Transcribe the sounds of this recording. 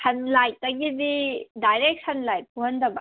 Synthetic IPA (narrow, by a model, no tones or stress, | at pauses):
hɐnlajtɐɡididajɾek̚sʰɐnlajpʰuhɐndɐba